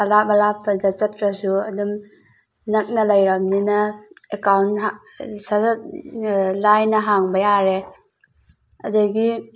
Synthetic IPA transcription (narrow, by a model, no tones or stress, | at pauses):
alamalapʰːɐdat͡ʃɐtɾɐsuɐdum | nɐk̚nɐlajɾamninɐekawntɦa | sa | lajnɐɦaŋbɐjaɾe | ɐ̰duɡi